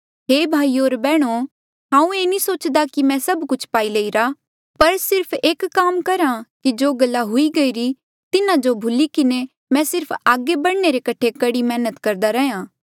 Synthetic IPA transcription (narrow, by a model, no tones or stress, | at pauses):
ɦeːbʱaːioːɾbɛːɽ̃o | ɦãːũeːnisoːt͡ʃd̪akimɛ̃sɐbkʊt͡ʃʰpaːileiɾa | pɐɾsɪɾpʰeːkkːaːmkɐɾãkid͡ʒoːɡɐlːaɦʊiɡɐiɾi | t̪ɪnãd͡ʒobʱʊlikɪne | mɛ̃sɪɾpʰaːɡebɐɽneɾekɐʈʰekɐɽimɛːnət̪kɐɾd̪aɾɛɦjãː